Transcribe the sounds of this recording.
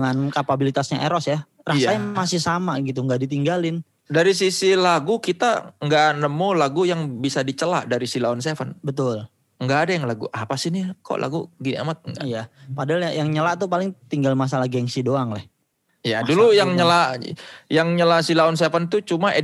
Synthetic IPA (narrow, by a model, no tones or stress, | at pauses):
ŋankapabilit̪asɲaʔeɾɔsja | raamasɪhsamaɡit̪̬uŋɡaʔdit̪iŋɡalɪn | daɾisisilaɡukit̪a̰ŋɡaʔnəmulaɡujaŋbisadit͡ʃəla̰ʔdaɾisilaɔnsefanbət̪ʊl | əŋɡaʔːdajaŋlaɡuʔapasiniko̰lʔa̰ɡuɡinia̰mat̪̚ŋɡaijapadaalɲajaŋɲəlaʔt̪upalɪŋt̪iŋɡalmas̬alahɡaŋsidoaŋlɛh | ijadulujaŋɲəla | jaŋɲəlasilaɔnsefant̪ut͡ʃumaʔe